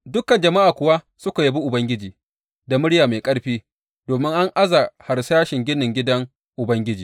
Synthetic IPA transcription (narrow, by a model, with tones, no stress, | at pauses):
dʊ˦kɐ˨nd͡ʒɐ˨ma˦ʔaː˨kʷʊ˨wa˦ | sʊ˦ka˨jɐ˦bi˦ʔʊ˨bɐ˦ŋɡʲɪ˦d͡ʒiː˨ | da˨mʊ˦ɽjaː˨ma˨kʼɐ˦ɽɸiː˦ | doː˨mɪ˦ŋʔa˦ŋʔa˦za˨ha˨ɾsaː˦ʃɪ˨ŋɡʲɪ˦nɪ˨ŋɡʲɪ˦dɐ˦ŋ | ʔʊ˨bɐ˦ŋɡʲɪ˦d͡ʒiː˨